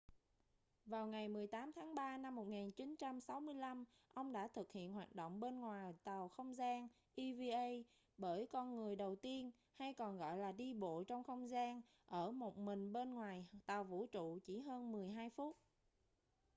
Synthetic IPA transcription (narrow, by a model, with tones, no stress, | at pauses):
vaː˨˩wŋa˨˩jmɨ˨˩əjt̪aː˨˦mt̪ʰaː˨˦ŋɓaː˧na˧mːo˨˩t̚ŋaː˨˩nt͡ɕi˨˦nt͡ɕa˧msa˨˦wmɨ˧əjla˧m | ʔə˧wŋ͡mɗa̰ː˧˥t̪ʰɨ˨˩k̚hḭ˧˨ənɦwaː˨˩t̚ɗo̰˧˨wŋ͡mɓe˧nŋwaː˨˩jt̪a˨˩wxə˧wŋ͡mzaː˧n | ʔi˧vi˧ʔə˧j | ɓəː˧˩jkɔ˧nŋɨ˨˩əjɗə˨˩wt̪i˧ən | ha˧jkɔ˨˩nɣɔ̰˧˨jlaː˨˩ɗi˧ɓo̰˧˨t͡ɕɔ˧wŋ͡mxə˧wŋ͡mzaː˧n | ʔəː˧˩mo˨˩t̚mï˨˩ŋ̟ɓe˧nŋwaː˨˩jt̪a˨˩wvṵ˧˥t͡ɕṵ˧˨t͡ɕi˧˩ɦəː˧nmɨ˨˩əjɦaː˧jfu˦˥t̚